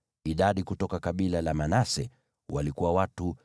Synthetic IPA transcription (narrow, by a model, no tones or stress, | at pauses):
iɗaɗikutɔkakaɓilalamanasɛ | walikuwawatu